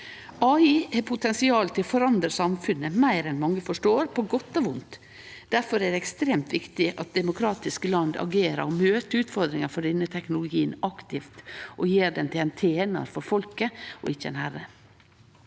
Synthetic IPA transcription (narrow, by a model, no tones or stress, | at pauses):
ɑːiːɛpʰʊt̪ʰɛnsɪɑːlət̪ʰɪlfɔɾɑnd̪ɾəsɑmfʉnːəmæɪɾɛnmɑŋːəfɔʂʈoːɾpʰɔɡɔt̪ːɔʋʊnt̪ | d̪̥æɾfɔɾæd̪ɛɛkst̪ɾeːmt̪ʋɪkt̪ɪʔɑt̪̚d̪ɛmʊkʰɾɑːt̪ɪskəlɑnd̪ɑ̰ɡeːɾɑ̰ɾɔmøːt̪əʉːt̪fɔɾd̪ɾɪŋɑɾfɔɖɛnːət̪ʰɛknʊlʊɡiːənɑkt̪ɪft̪ʔɔjeːɖɛnt̪ʰɪlɛnt̪ʰeːnɑ̰ɾfɔɾfɔlkəʔɔ̰ɪçəɛ̰nhæɾə